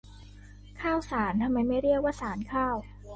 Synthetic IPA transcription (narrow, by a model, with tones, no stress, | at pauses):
kʰaː˥˩wsaː˩˦nt̪ʰa˧mːa˧jma˥˩jɾi˥˩ək̚waː˥˩saː˩˦nkʰaː˥˩w